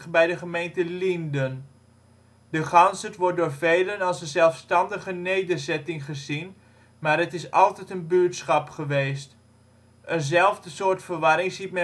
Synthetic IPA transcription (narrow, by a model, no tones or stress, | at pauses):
bɛjdəχəmejntəlindən | dəχɑnsətʋɔɹt̚dʊːɹvejlənɑlˠsənzɛlˠfstɑndəχənejdəɹzɛtɪŋχəzin | maːɾɦətɪsɑ̰lˠtɛtənbytsχɑpχəʋejst | ʔənzɛlˠvdəsoːɹtfəɹʋɑɾɪŋzit̚mɛ